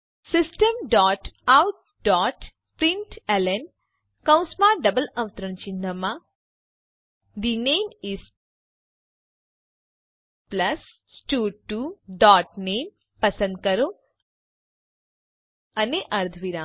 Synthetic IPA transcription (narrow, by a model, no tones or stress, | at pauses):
sɪsʈəmɖɔːʈawʈ̚ | ɖɔʈ | pɾiɳʈelen | kə̃w̃smaːɾɖəbəlɐʋt̪ɾəɳt͡ʃind̪əmã | d̪inemis | pləs | sʈuːʈːuɖɔːʈnem | pəsə̃nd̪̚kəɾo | əneʔɐɾd̪ʱʋiɾãː